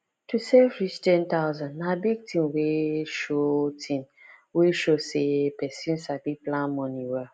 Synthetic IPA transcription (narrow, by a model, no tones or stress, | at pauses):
tusefkɾisitɛ̃ntaʊzãnːabiɡ̚tĩmweʃotʰĩm | weʃosepɛsĩnsabiplãnmɔ̃niwa